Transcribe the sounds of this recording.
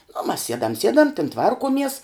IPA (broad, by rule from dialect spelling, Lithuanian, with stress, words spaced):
nʊ mɐs ˈsʲiɛdɐm ˈsʲiɛdɐm tʲɪn ˈtʋɐrkuɔmʲiɛs